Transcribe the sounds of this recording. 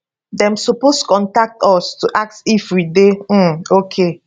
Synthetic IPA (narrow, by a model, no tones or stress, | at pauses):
dɛ̃msɔpostu̥kɔ̃ntak̚tɔstuʔak̚tifwideokʰe